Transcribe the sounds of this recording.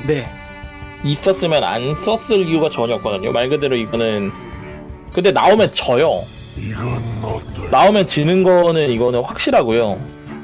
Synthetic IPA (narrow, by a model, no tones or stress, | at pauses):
ne̞ | is͈ʌs͈ɯmjʌna̰ns͈ʌs͈ɯɭijuɡat͡ɕʌɲiʌk̚k͈ʌdaɲo̰maɭɡɯdeɾoiɡʌnɯn | kɯndenaomjʌnt͡ɕʌjo | iɡʌnɡʌnaoumjʌnt͡ɕɯnɯnɡʌnɯniɡʌnɯnɸwak̚ɕ͈iɾɦaɡojo